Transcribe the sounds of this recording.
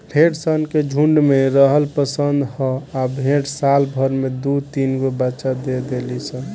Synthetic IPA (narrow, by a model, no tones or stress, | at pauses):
ɖʰʱeɽsənked͡ʒʱuɳɖmeɾəɦəlpəsənd̪hɔabʱẽʈsalbʱəɾmed̪ut̪inɡobəːt͡ʃad̪ed̪elisə̃